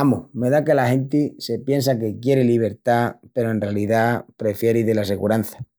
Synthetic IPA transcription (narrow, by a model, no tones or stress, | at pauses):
amome̞ðake̞laxẽ̞nt̪ise̞pje̞ns̬ak̬e̞kje̞ɾeliβ̞e̞ɾt̪ape̞ɾo̞e̞nrealiðapɾe̞fje̞ɾiðe̞lase̞ɣuɾanθḁ